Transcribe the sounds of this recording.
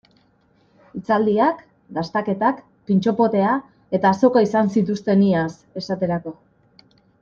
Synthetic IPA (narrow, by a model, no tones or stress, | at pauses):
it͡sald̪iak | d̪ast̪ake̞t̪ak | pint͡ʃo̞po̞t̪e̞a | e̞t̪aːso̞kaisansit̪ust̪e̞nias | e̞sat̪e̞ɾako̞